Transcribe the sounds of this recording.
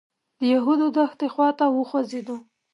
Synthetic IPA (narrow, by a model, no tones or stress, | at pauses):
d̪̥əjaɦud̪od̪axt̪exwɑt̪awəxwazed̪o